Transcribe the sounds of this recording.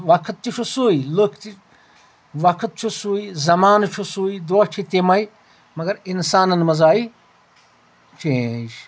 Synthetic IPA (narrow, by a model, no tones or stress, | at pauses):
ʋɐkʰt̪̚t͡ʃit͡ʃʰusuːiləkʰt̪i | ʋɐkʰt̪̚t͡ʃʰusuːizɐmaːnt͡ʃʰusuːid̪oːt͡ʃʰit̪emɐj | mɐɡɐɾinsaːnɐnmɐzaːi | t͡ʃʰẽʃ